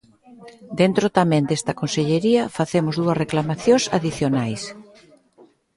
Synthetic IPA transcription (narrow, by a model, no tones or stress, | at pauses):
d̪ent̪ɾot̪amɛ̃nd̪est̪ɐkonseʎeɾiɐfaθemʊzðuɐsreklamaθjõsa̰ðiθjonajs